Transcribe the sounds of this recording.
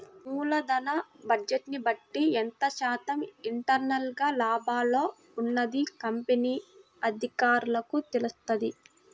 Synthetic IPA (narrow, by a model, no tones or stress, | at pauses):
muːlɐd̪ɐnɐbɐd͡ʒeʈnibɐʈːiɛnt̪ɐʃaːt̪ɐmiɳʈɐɾnɐlɡaːlaːbʱaːlo̞ː | unːɐd̪ikɐmpeniː | ɐd̪ʱikaːɾulɐkut̪elust̪ɐd̪i